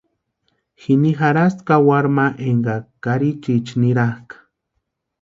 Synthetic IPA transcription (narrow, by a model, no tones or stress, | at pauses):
xinixaɾast̪kawaɾmaʔeŋɡakaɾit͡ʃit͡ʃniɾahkḁ